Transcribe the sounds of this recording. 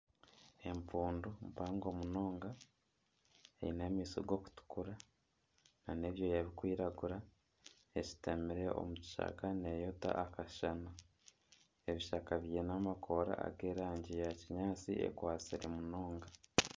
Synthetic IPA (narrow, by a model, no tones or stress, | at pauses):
e̞mpuːndumpaːŋɡo̞muno̞ːŋɡa | ḛinemiːso̰ɡo̞ku̥tu̥kuɾa | nane̞βjo̞jaβikwiːɾaɡuɾa | eci̥temiɾe̞o̞̰muci̥ʃa̰kane̞jota̰ʔːkaʃana | e̞βiʃakaβijenamakʰo̞ɾa̰a̰ɡe̞ːɾaːɲɟijaciɲaːt͡siʔḛkwaːt͡siɾemuno̞ːŋɡa